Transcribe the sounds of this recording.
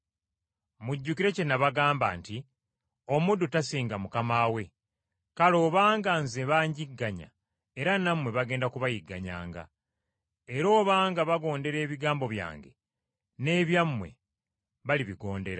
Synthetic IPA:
muɟːukiɾe̞cenaβaɡaːmba̰ːnti | o̞mudutasiːŋɡamukamaːwe̞ | kalo̞ːβaːŋɡanzeβaːɲɟiɡːaɲa̰ | eɾanamwe̞βaɡe̞ːndakuβajiɡːa̰ɲa̰ːŋɡa̰ | eɾo̞ːβaːŋɡaβaɡo̞ːnde̞ɾe̞ːβiɡaːmbo̞βja̰ːŋɡe̞̰ | ne̞ːβjamwe̞̰ | βaliβiɡo̞ːnde̞ɾa

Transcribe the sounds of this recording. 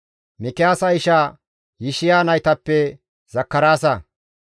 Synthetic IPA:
mɪkɪjaːsɐɪʃa | jɪʃɪjaːnɐjt̪ɐpːɛ | z̥ɐkːɐɾaːsɐ

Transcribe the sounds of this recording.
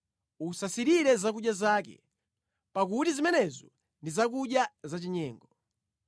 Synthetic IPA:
usasiɾiɾɛzak̬uɗjazaːkɛ̰ | pak̬utizimɛnɛzɔ | ndizak̬uɗjazat͡ʃiɲɛːŋɡɔ

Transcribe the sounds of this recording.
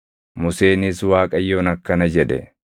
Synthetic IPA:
mʊse̞ːniswaːkʼɐjːo̞ːnɐkːɐnɐd͡ʒɛᶑɛ̰

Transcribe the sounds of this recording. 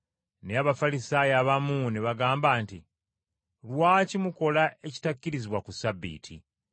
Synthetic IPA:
neaβafalisaːjaβamuneβaɡaːmbaːnti | lwaːcimuko̞laʔe̞ci̥tacːiɾiziβwakusabːḭːtʰḭ

